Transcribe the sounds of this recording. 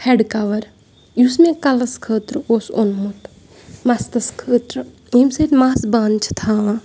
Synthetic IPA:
heɖkɐʋɐɾ | jusmẽkɐlɐskʰəːt̪ɾoːsonmut̪ | mɐst̪ɐskʰəːt̪ɾ | imset̪maːsbaːnt͡ʃʰt̪ʰaːã

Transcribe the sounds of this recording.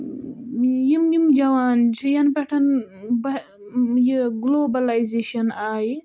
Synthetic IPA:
jimjimd͡ʒɐwaːnt͡ʃʰijɐnbɐʈʰɐnbɐ | jiɡloːbɐlajzeːʃɐnaːji

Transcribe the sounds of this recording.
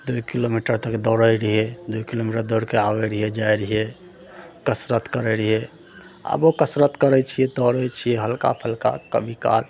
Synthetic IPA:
d̪uikilomiʈəɾt̪əkd̪ɔɾəjɾiɦed̪uikilomiʈəɾd̪ɔɽkeawɛɾiɦed͡ʒajɾiɦe | kəsɾət̪kəɾɛɾiɦe | a̰bokəsɾət̪kəɾɛt͡ʃʰied̪ɔɾəjt͡ʃʰijeɦəlka̰pʰəlka̰kə̰bʱika̰l

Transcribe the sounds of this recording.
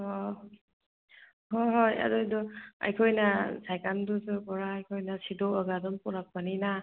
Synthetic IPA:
ɔ | hoɦoja̰dojdɔa̰jkʰojnasajkandusɯkɔɾaːjkʰojnasidɔaɡadɔmpɔɾak̚panina

